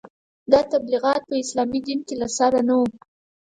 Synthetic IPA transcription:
d̪ɑt̪abliɣɑt̪̚pəɪslɑmid̪inkelasaɾanawu

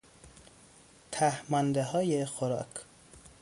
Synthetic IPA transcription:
t̪ʰæhmɒnd̪eɦɒːjexoɾɒ̰ːkʰ

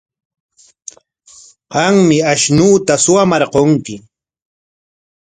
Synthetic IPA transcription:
ɢɑŋmɪaʃnuːt̪asʊwamɑɾqoŋkɪ

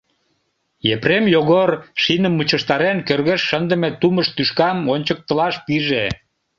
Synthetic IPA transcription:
jepremjoɣorʃinəmːut͡ɕəʃt̪ɑɾenkørɣeʃːənd̪ə̆met̪uməʃt̪yʃkɑmonʲt͡ɕək̚t̪əlɑʃpiʒe

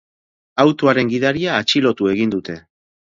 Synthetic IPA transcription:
awt̪oaɾe̞ŋɡiðaɾiaːt͡ʃilo̞t̪ue̞ɣind̪ut̪e̞

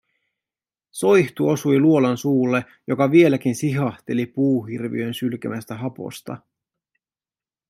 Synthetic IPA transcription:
so̞jçt̪uo̞sujluo̞lɑnsuːlːe̞ | jo̞kɑʋie̞lækinsiɦɑht̪e̞lipuːɦirʋḭø̞nsylk̟æmæst̪æɦɑpo̞̰st̪ɑ̰

